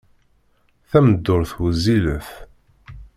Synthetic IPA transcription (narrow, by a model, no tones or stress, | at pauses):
θæməd̪ːʊɾθwəzːiləθ